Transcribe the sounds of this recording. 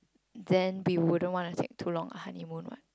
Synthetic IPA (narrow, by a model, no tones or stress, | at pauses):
dɛ̃nwiwudə̃ntwɔ̃ntutʰek̚tʰulɔ̃ŋə̰hanimũnwɔ̰t̚